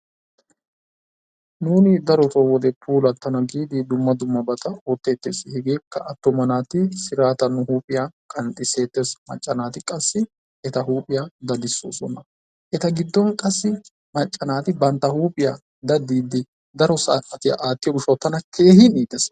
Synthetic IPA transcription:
nuːnɪd̪ɐɾɔt̪ɔwɔd̪ɛpʰuːlɐt̪ːɐnɐɡiːd̪ɪd̪ʊmːɐd̪ʊmːɐbɐt̪ɐoːt̪ːe̞ːt̪ːeːsɪhɪɡe̞ːkːɐʔɐt̪ːɔmɐnaːt̪ɪsɪɾaːt̪ɐnːʊhuːpʼɪjakʼɐnt̪ʼɪse̞ːt̪ːesmɐ̰t͡ʃʼːɐnaːt̪ɪkʼɐsːɪ | ʔɛt̪ɐɦuːpʼɪjaːd̪ɐd̪ɪsːo̰ːsɔ̰nɐ | ʔɛt̪ɐɡɪd̪ːɔŋkʼɐsːɪ | mɐt͡ʃʼːɐnaːt̪ɪbɐnt̪ːɐhuːpʼɪja̰ː | d̪ɐd̪ːiːd̪ːɪ | d̪ɐɾɔsaːʔɐt̪ɪja̰ʔaːt̪ːɪjɔɡʊʃɔt̪ːɐnɐkʰe̞ːhɪniːd̪ɛs

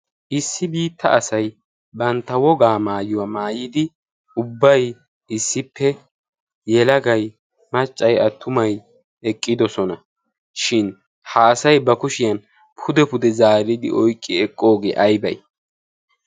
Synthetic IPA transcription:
ʔɪsːɪbiːt̪ʰːɐ̰ɐsɐj | bɐnt̪ːɐwɔɡaːmaːjʊwamaːjɪd̪ɪ | ʊbːɐj | ɪsːɪpːɛ | jɛlɐɡɐj | mɐt͡ʃʼːɐjɐt̪ʰːʊmɐj | ɛkʼːɪd̪ɔsɔnɐ | ʃɪn | haːsɐjbɐkʊʃɪjɐn | pʰʊd̪ɛpʊd̪ɛzaːɾɪd̪ɪ̰ʔɔjkʼːɪɛkʼːo̞ːɡḛːʔɐjbɐ̰j

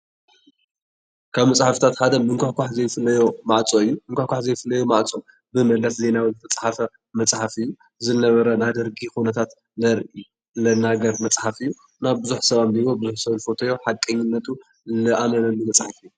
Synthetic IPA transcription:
kʰaβmɐt͡sʼħafɨ̥t̪ʰat̪ħad̪ɐmɨŋkʷʰaħkʷʰaħzɐjfɨlːɐjo̞maʕt͡sʼoɨjːumɨŋkʷaħkʷaħzɐjfɨlːɐjomaʕt͡sʼo | bɨmɐlɐsze̞nawɨlɨt̪ʰɐt͡sʼħafɐ | mɐt͡sʼħafɨjːu | zɨnɐβɐɾɐnad̪ɐɾɡixunɐt̪ʰat̪ | lɐɾʔi | lɐnaɡɐɾmɐt͡sʼħafɨjːu | naβbɨzuħsɐβambiβobɨzuħsɐβnɨfo̞t̪ʰɐjo̞ħakʼːɐɲːɪnːɐt̪ʰu | lɨʔamɐnɐlːumɐt͡sʼħafɨjːu

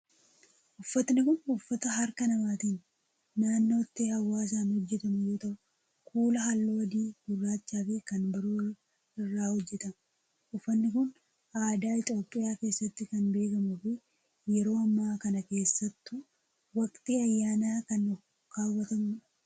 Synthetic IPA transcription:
ʔʊfːɐt̪nɪkʊnʊfːɐt̪ɐɦɐɾkɐnɐmaːt̪ɪnː | aːnːo̞ːt̪ːeːhɐwːaːs̬aːnhɔd͡ʒːɛt̪ɐmʊjo̞ːt̪ɐʔʊ̥ | kʰuːlɐhɐlːoːɐd̪iːɡʊrːaːt͡ʃːaːfɪkɐnbɐɾoːr | ɪrːaːhɔd͡ʒːɛt̪ɐm | ʊfːɐnːɪkʊn | aːd̪aːɪt̪ʼoːpʼːɪjaːke̞ːsːɐt̪ːɪkɐnbe̞ːkɐmʊfɪ | jɛɾo̞ːɐmːaːkɐnɐke̞ːsːɐt̪ːʊ | wɐkʼt̪ʼiɐjːaːnaːkɐn | kaːwːɐt̪ɐmʊ

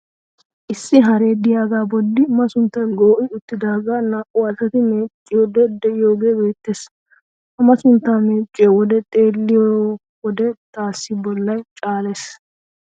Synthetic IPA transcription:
ʔɪsːɪɦɐɾe̞ːd̪ɪjaːɡaːbɔdːɪmɐsʊnt̪ːɐnɡoːʔɪʊt̪ːɪd̪aːɡaːnaːʔʼʊɐsɐt̪ɪmeːt͡ʃʼːɪjod̪ɛd̪ɛɪjoːɡe̞ːbe̞ːt̪ːeːs | ɐmɐsʊnt̪ːaːmeːt͡ʃʼːɪjɔwɔd̪ɛt̪ʼe̞ːlːɪjo | wɔd̪ɛt̪aːsːɪbɔlːɐjt͡ʃʼaːles

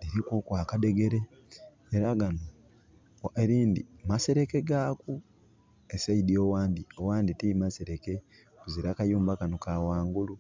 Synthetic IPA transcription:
liɾikokwaːkade̞ɡe̞ɾe̞ː | ɾaɡano | eɾiːndḭmase̞ɾe̞ke̞ɡaːku | esaidjoːwaːndiowaːnditiimase̞ɾe̞ke̞ | kuziɾakajuːmbakanokawaːŋɡulu

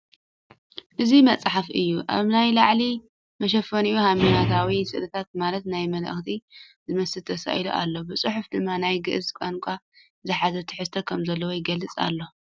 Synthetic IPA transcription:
ʔɨzimɐt͡sʼħafʔɨ̰jːuʔa̰βnajlaʕli | mɐʃ̬ɐfɐnijuhaminat̪ʰawisɨ̰ʔlɨt̪ʰat̪̚malɐt̪najmɐlɐ̰xt̪ʰi | zɨmɐsɨlt̪ʰɐsa̰ʔjluʔa̰lːo̞bɨsʼɨħʊfd̪ɨmːanajɡɨʔɨzkʷʼankʷʰʼa | zɨħazɐt̪ʰɨħɨst̪ʰɐkʰɐmzɐlːɐwojɪɡɐlːɨt͡sʼa̰lːo̞

